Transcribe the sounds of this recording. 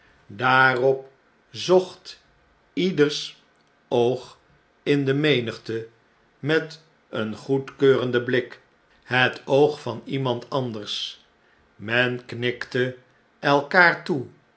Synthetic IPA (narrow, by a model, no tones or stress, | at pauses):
daːrɔp | zɔχt | idəɹs | owχ | ɪndəmejnəχtə | mɛt | ənχutkøːrəndəblɪk | ɦətowχfɑnimɑntʰɑndəɹs | mɛnknɪktə | ɛlˠkaːɹtu